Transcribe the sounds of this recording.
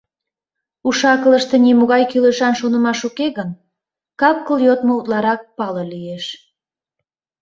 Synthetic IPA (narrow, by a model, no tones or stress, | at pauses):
uʃɑkələʃt̪e̽nimuɣɑjkyleʃɑnʃonəmɑʃukeɣən | kɑp̚kəljot̪mout̪lɑɾɑk̚pɑlolijeʃ